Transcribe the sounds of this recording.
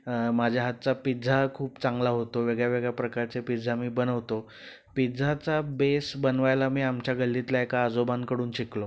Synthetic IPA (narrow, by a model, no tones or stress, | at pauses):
mad͡ʑʱjaɦat̪̚t͡sapid͡zʱakʰuːpt͡sãŋɡlaɦot̪oʋeɡɭjaʋeɡɭjapɾəkaɾt͡sepid͡zʱamiːbənəʋt̪o | pid͡zʱat͡sabesbənʋajlamiːamt͡ɕjaɡəlːit̪laekaːd͡zobankəɽuːnɕiklo